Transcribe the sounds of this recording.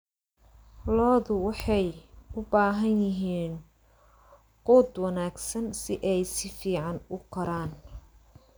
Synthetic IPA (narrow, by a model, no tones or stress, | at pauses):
lɔːðʊwɑħɑjʊbaːɦɐnjɪɦiːn | quːd̪wɐnaːɡsɐnsɪʔɛjsɪfiːʕɑnʊkʰɐɾaːn